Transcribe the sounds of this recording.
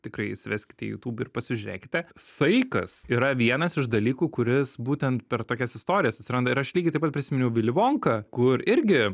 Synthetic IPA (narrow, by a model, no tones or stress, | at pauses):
t̪ʲɪkɾɐɪsʲɪʋʲɛsʲkʲɪtʲɛ̰jṵːt̪uːbɪrpɐsʲɪʒʲʉɾʲḛːkʲɪ̥t̪ʲɛsɐɪkɐsiːɾɐʋʲiɛnɐsɪʃd̪ɐlʲiːkuːkʊɾʲɪsbuːt̪ʲɛnt̪̚pʲɛɾt̪oːkʲɛsɪst̪oːɾʲɪjɛsɐt̪ʲsʲɪɾɐnd̪ɐɪɾɐʃlʲiːɡʲɪt̪ɐɪpɐt̪pʲɾʲɪsʲɪmʲɪnʲʊʋʲɪlʲɪʋoːŋkɐkʊɾɪɾʲɡʲɪ